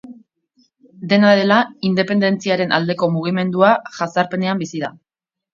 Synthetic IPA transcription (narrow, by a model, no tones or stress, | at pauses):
d̪e̞naɾe̞laind̪e̞pe̞nd̪e̞nt͡siaɾe̞nʔa̰ld̪e̞ko̞muɣ̞ime̞nd̪uaʝasaɾpe̞ne̞ambisiða̰